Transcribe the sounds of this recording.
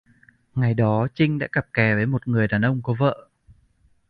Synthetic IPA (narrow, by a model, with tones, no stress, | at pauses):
ŋa˨˩jɗɔ˨˦t͡ɕï˧ŋ̟ɗa̰ː˧˥ka˨˩p̚kɛ˨˩vəː˨˦jmo˨˩t̚ŋɨ˨˩əjɗaː˨˩nʔə˧wŋ͡mkɔ˨˦və̰ː˧˨